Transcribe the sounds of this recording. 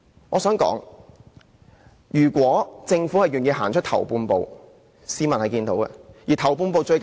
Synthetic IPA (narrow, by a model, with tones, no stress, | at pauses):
ŋɔː˨˧sœː˨˥ŋkɔ̰ː˨˥ŋ | jyː˨˩kwɔː˨˥t͡sɪ˧ŋfuː˨˥hɐ˨jyː˨˩njiː˧ɦa̰ː˨˩ŋt͡ʃʰɵ˥t̪ʰɐ̰˨˩wpuː˧npo̰˨˧w | siː˥mɐ˨nhɐ˨jkiː˧nt̪o̰˨˥wkɛ̰˧jiː˨t̪ʰɐ˨˩wp̬uː˧npo˨˧wt͡ʃɵ˧ɥk